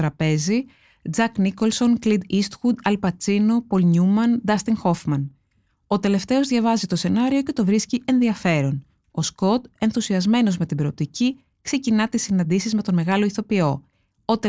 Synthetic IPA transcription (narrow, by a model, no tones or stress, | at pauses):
ɾɐpe̞zi | d͡zɐkniko̞lso̞ŋklid̪ist̪xud̪ɐlpɐt͡sino̞po̞lɲumɐnd̪ɐst̪iŋxo̞fmɐn | o̞t̪e̞le̞ft̪e̞o̞zðʝɐvɐzit̪o̞se̞nɐɾio̞ce̞t̪o̞vɾisciʔe̞nðiɐfe̞ɾo̞n | o̞sko̞t̪e̞nθusiɐzme̞no̞zme̞t̪ibɾop̚t̪ici | kse̞cinɐt̪isinɐnd̪isizme̞t̪ome̞ɣɐlo̞iθo̞pio̞ | ot̪e